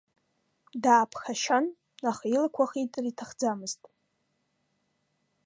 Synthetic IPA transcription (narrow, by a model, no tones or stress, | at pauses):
daːpʰxaʃan | aχilakʷʰaχitʼɨritʰaχd͡zamɨztʼ